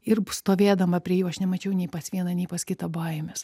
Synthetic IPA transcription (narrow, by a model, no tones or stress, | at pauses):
ɪrst̪oːʋʲeːd̪ɐmɐpʲɾʲiɛjuːɐʃnʲɛmɐt͡ʃʲɛʊnʲɛɪpɐsʋʲiɛnɐnʲɛɪpɐskʲɪt̪ɐbɐɪmʲɛs